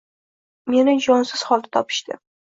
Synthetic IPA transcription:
me̞nɪd͡ʒɒnsɪz̥χɒlˠd̪ɪt̪ʰɒpʰɪ̥ʃt̪ɪ̰

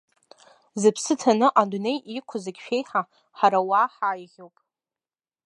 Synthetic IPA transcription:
zɨpʰsɨtʰanɨʔadune̞jʔikʷʰʊzɨɡʲʃᶣe̞jħa | ħaɾawaħaːjʁʲowpʼ

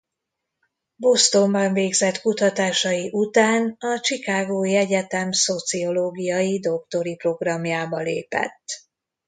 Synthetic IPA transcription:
bo̞st̪o̞mbɒɱveːɡzɛt̪kut̪ɒt̪aːʃɒjiʔut̪aːnɒt͡ʃikaːɡoːiɛɟɛt̪ɛmso̞t̪sio̞loːɡijɒjid̪o̞kt̪o̞ɾipro̞ɡrɒmjaːbɒlḛːpɛ̰t̪ː

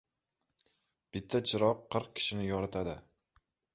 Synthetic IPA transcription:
b̥ɪt̪ʰːat͡ʃʰɪɾɒqʰːɨɾq̚kʲʰɪ̥ʃɪnɪjɒɾat̪ʰad̪ɪ

